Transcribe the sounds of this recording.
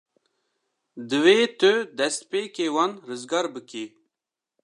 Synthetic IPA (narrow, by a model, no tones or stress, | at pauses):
d̪ɨweːt̪ɨd̪ɛst̪̚peːkewɑnɾɨzɡɑɾbɨki